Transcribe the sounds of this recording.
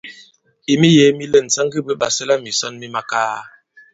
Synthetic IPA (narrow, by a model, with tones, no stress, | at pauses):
i˨mi˦je˨˦mi˦lə˦˨n̩˨t͡sa˦ŋɡi˦bə˦ba̰˨sə˦la˦mi˨sɔ˦nmi˦ma˦kaː˦